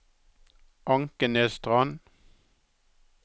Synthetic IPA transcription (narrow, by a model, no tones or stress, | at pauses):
ʔɑŋkənɛst̪ʁɑn